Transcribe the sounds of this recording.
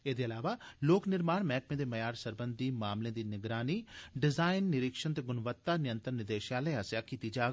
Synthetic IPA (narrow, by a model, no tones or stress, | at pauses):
eːd̪eːɐlaːʋaːloːknɪɾmaːnmɛːk̚mẽːd̪eːmɐjaːɾsəɾbənd̪iːmaːmlẽːd̪iːnɪɡɾaːniːɖɪzaːɪnːɪɾɪkʃənt̪eːɡʊnʋət̪ːaːnɪjə̃nt̪əɾnɪd̪eːʃjaːləasjaːkiːt̪iːd͡ʒaːɡ